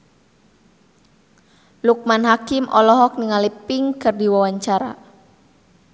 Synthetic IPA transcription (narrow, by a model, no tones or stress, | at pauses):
luk̚manɦakɪmʔɔ̰lɔɦɔk̚niŋalipɪŋkɨrdiwawaɲt͡ʃaɾa̰